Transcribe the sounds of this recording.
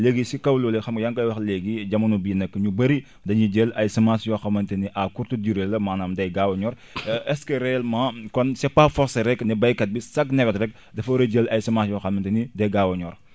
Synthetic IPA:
leɡisikɐwlɔːlɛxɐmkɐjɐŋkɐjwɐxleɡiɟɐmɐnubiːnɐkːəɲubɐɾi | dɐɲuɟelɐjsɐmasjɔxɐmɐntɐniʔakuɾtudiɾelɐmaːnaːmdɐjɡawɐɲɔːɾ | ʔɛskəɾɛɐlmãːkɔnsɛpafɔɾsɐɾɛknɛbɐjkɐt̚bisɐknɛkɔtɾɛk̚ | dɐfɐɾɐɟelɐjsɐmasjɔxɐmɐntenidɐjɡawɐɲɔːɾ

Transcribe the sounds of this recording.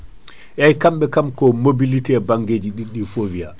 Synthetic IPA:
jajkamɓɛkamkɔmobilitɛbaŋɡeːd͡ʒiɗiɗːifovia̰

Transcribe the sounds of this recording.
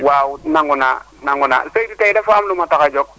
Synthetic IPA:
wawnaŋuna̰ | naŋuna̰seditaidɛfamlʊmatakad͡ʒɔk̚

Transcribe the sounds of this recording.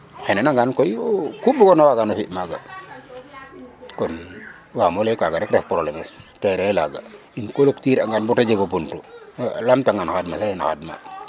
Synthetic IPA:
xɛnɛnaŋɡankɔjkubukɔnawaɡanofiʔmaɡa | kɔn | wamɔlekaɡaɾɛkɾɛfpɾolɛmɛstɛɾɛla̰ɡa | inkoloktiɾaŋɡanbutad͡ʒeɡopuntulamtaŋɡanxadmasahina̰xa̰dma̰

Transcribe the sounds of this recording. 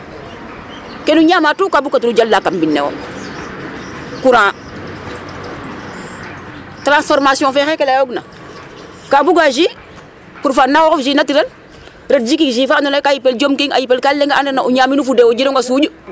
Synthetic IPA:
kenuɲamatukabukːatuɾud͡ʒalːakambinːḛwo̰ | kuɾã | tɾãnsfoɾmasjɔ̃fexekelajoɡna | kabuɡaʒi | kuɾfanːawokofʒinatiɾel | ɾetd͡ʒikiʒiːfaninakajipeld͡ʒomkiŋa̰jipelkalːeŋɡanenaʔuɲaminufudewod͡ʒinoŋɡasud͡ʒu

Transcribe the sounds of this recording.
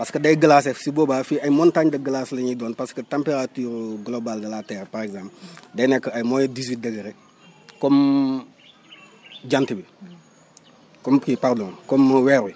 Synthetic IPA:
paskədɐjɡəlaːs̬ɛfsibɔbaːfiɐjmɔntaɲdɐɡəlaːslɐɲidɔːnpaskətɛmpeɾatuːɾɡlɔbaldɐlatɛːɾpaɾɛɡzãːmpldɐjnɛkːəɐjmɔːjdiz̬wit̚dɐɡəɾɛ | kɔm | ɟantibi | kɔmkipaɾdɔːnkɔmːwɛɾwi

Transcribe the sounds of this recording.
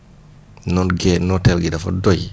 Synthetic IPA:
nɔnɡɛnɔtɛlɡidafɔ̰dɔj

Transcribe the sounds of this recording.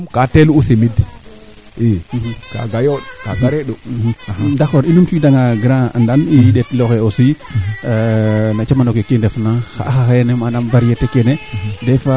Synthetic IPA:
katelusemid | eka̰ɡajokaɡaɾeɗohdakoɾilumtidaŋaɡɾãa̰ndanidetloxeosi | nat͡ʃamanokekindefnãxa̰axaxajenemanamvaɾietekenedefa

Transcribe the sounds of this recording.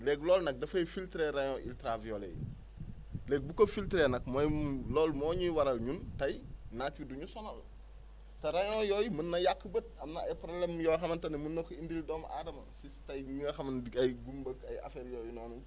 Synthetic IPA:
lɛɡlɔːlnɐk̚dɐfɐjfiltɾɛɾɐɲɔ̃ʔḭltɾavijɔlɛ̰j | lɛːɡ̚bukofiltɾenɐk̚mojlɔːlmɔːɲiwɐɾɐlɲuntɐjnakuduɲusɔnɐl | tɐɾɐɲɔ̃ːjɔjmənːɐjakːəbət̚ɐmnɐɐjpɾoblɛmjɔxɐmɐntɐnɐmənːɔkindildɔːmʔadɐmɐsistɐjŋɡɐxɐmɐndiɐjɡumbəkɐjɐ̰fɛɾjɔːjunɔːnu

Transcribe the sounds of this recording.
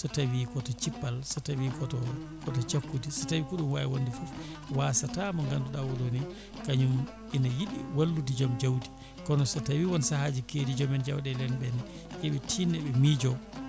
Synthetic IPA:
sɔtawikɔtɔt͡ʃipːalsatawikɔtɔ | kɔtɔt͡ʃakːutisatawikuɗumwajiwondifufwasatamɔŋɡanduɗawɔloni | kaɲum | inajiɗḭwalːut̬id͡ʒamd͡ʒawdi̥ | kɔnɔsatawiwɔnsahad͡ʒikeːdid͡ʒɔmɛnd͡ʒawɗɛlɛnbɛn | jɛɓɛtʰiːnɛɓɛmid͡ʒɔ

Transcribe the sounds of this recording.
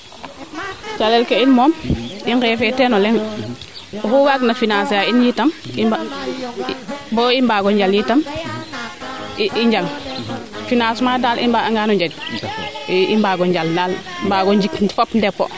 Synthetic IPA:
t͡ʃalelkeinmɔːmiŋkɛːfetenolɛŋ | huɡaɡnafinasjainjitɐmiba | bɔːimbaːɡɔɲɟaljiːtɐm | ʔiɲɟal | finaːsmaːdaːlʔimbaaŋɡaːnuɲd͡ʒad͡ʒ | imbaɡɔɲɟalndaːlmbaːɡɔɲd͡ʒikfopndɛpːo̰

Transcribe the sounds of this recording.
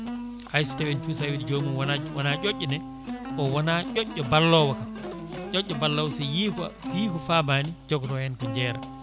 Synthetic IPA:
hajstɛwɛnt͡ʃusawidid͡ʒomunwanawanaʔoʔːɔnɛ | ʔɔwɔnat͡ʃɔʔːɔbalːɔwaka | ʔɔɟːɔbalːawsɛjiksjikɔfabanid͡ʒɔɡɾɔhɛnkɔɲd͡ʒɛːɾa̰

